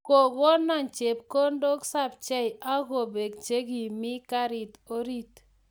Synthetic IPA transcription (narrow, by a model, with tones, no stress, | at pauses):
ko˨ɡo˦nɔ˦˨nt͡ʃe˨p̚ko˦ndo˦ksa˦˨b̚t͡ʃɛ˦ja˦ɡo˨be˨k̚t͡ʃe˦ɡi˨mɪ˦ka˦ɾi˨to˦ɾi˦t